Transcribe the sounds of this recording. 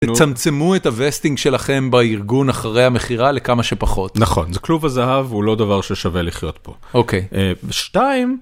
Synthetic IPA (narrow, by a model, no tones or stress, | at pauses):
t̪et͡samt͡semuethavestiŋɡʃe̞laχe̞mbaiʁɡunaχaʁe̞jhame̞χiʁale̞kamaʃepaχo̞t̪nɐχo̞̰nzɛkluvazaɦavulo̞d̪avaʁʃeʃaveliχjo̞t̪bo | oke̞jeʃtaim